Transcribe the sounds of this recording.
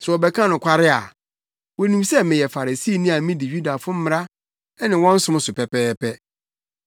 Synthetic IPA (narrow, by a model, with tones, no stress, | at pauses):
sɾɛ˨ɔ˨bɛ˦kʰã˦nʊ̃˨kʷʰa˦ɾɪ˦a˨ | wɔ˨nĩ˨msɛ˦mɪ̃˨jɛ˨fa˨ɾa˨si˦˨˦nĩ˦a˨˦mĩ˦di˨ɥu˦da˨fʊ̃˦m̩˦m̃˨ɾa˦ | nɪ̃˨wɔ̃˦n̩˦sʊ̃˦m˦sʊ˨pɛ˨pɛː˦pʰɛ˦